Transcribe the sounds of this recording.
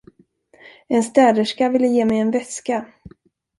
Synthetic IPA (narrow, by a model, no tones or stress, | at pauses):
ɛnst̪ɛːd̪əʂkavɪlːəjeːmɛjɛnvɛska